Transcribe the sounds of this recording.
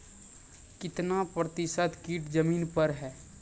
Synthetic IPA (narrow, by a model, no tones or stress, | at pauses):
kɪt̪napɾət̪ɪsəd̪kiːʈd͡ʒəmiːnpəɾɦɛː